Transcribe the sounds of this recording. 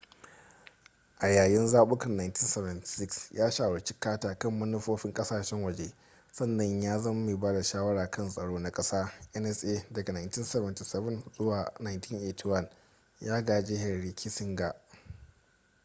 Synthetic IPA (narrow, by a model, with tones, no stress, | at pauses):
ʔa˨jaː˨jɪ˦nzaː˦ɓʊ˦kɐ˨nːaː˨jnti˦nsɛ˨vɐ˨nti̥˨sɪ˦ksjʔaː˦ʃaː˨wɐ˨ɾt͡ʃi̥˦kaː˦taː˨kɐ˦˨mːɐ˦nʊ˦ɸoː˦ɸɪ˦ŋkʼɐ˦saː˨ʃɛ˦ŋwɐ˨d͡ʒeː˦ | sɐ˦nːɐ˨ɲjaː˦zɐ˦m˦meː˨baː˦da˨ʃaː˦wɐ˦ɽaː˨kʰɐ˦nsʼɐ˨ɽoː˦na˦kʼɐ˦saː˦ʔɛ˦nɛ˦sʔeː˦dɐ˨ɡa˨naː˨nti˦nsɛ˨βɐ˨nti˨sɛ˦bɐ˦˨nzʊ˦waː˨na˨jntɪ˦nʔeː˨tʰi˦wɐ˦n | jaː˦ɡaː˨d͡ʒeː˦ɦɛ˨rɽi˨kʲʰi˦sɪ˦ŋɡa˨ʔ